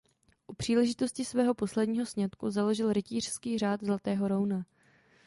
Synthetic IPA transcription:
ʔupr̥iːlɛʒɪt̪o̞scɪsvɛːɦo̞po̞slɛdɲiːɦo̞sɲat̪kuzalo̞ʒɪlɾɪciːr̝̥skiːr̝aːd̪zlat̪ɛːɦo̞ɾowna

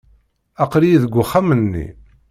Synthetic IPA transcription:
æqɾijiðəɡʷːʊχːamənːḭ

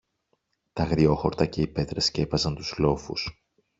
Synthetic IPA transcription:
t̪ɐɣɾio̞xo̞ɾt̪ɐce̞ipe̞t̪ɾescepɐzɐnt̪uzlo̞fṵs

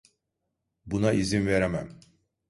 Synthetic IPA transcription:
bunaʔizinveɾemæm

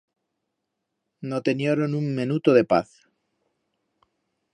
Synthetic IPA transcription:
not̪enjoɾonuŋmenut̪oðe̞pa̰θ

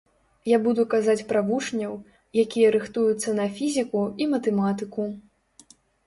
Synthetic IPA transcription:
jabud̪ukazat͡sʲpɾavuʂnʲɐw | jakʲijɐɾɨxt̪ujut̪sːɐnɐfʲizʲikuimɐt̪ɛmat̪ɨku

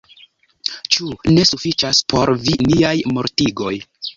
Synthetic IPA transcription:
t͡ʃune̞sufit͡ʃaspʰo̞ɾviniajmo̞ɾtiɡo̞j

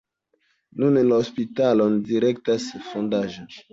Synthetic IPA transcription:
nunlaospitalondiɾektasfondaʒon

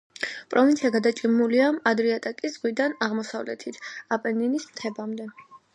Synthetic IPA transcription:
pʼɾɔvint̪sʰiaɡad̪at͡ʃʼimuliamad̪ɾiat̪ʼakʼisz̥ʁwid̪anaʁmɔsavlɛ̰t̪ʰit̪ʰapʼɛninismt̪ʰɛbamd̪ɛ

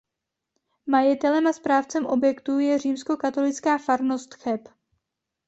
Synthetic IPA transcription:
majɪt̪ɛlɛmaspɾaːft͡sɛmʔo̞bjɛkt̪ujɛriːmsko̞kat̪o̞lɪt͡skaːfaɾnost̪xɛp

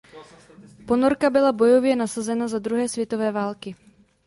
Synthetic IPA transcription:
po̞noɾkabɪlabo̞jovjɛnasazɛnazad̪ɾuɦɛːsvjɛt̪o̞vɛːvaːlkɪ

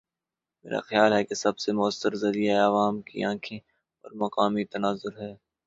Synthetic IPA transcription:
mḛːɾa̰xjaːlɦɛkesɐbsemʊəsːəɾzɐɾijaeɐʋaːmkḭãːkʰe | ɔ̰ːɾmɐkaːmit̪ɐnaːzʊɾɦɛː

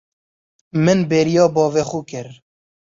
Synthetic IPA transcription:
mɨnbeːɾijɑːbɑːvexuːkɪɾ

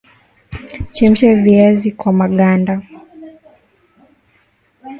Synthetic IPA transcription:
t͡ʃɛm̩ʃaviazikwamaɠanda

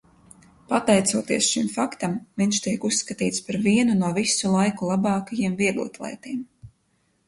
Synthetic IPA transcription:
pat̪ɛjt̪suɔt̪iɛsʃimfakt̪amviɲʲʃt̪iɛkusːkat̪iːt̪spaɾviɛnunuɔvisulˠajkulˠabɑːkajiɛmviɛɡlˠṵt̪lˠɛ̰jt̪iːm

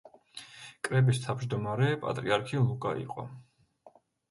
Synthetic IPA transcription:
kʼɾɛbist̪ʰawd͡ʒd̪ɔmaɾɛpʼa̰t̪ʼɾiaɾkʰilˠukʼa̰ḭqʼɔ̰

